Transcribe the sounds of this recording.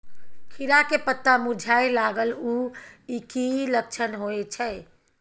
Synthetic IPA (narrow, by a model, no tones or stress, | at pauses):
kʰiɾakepət̪ːamud͡ʒʱaelaɡəluikilək̚t͡ʃʰənɦoet͡ʃʰɛj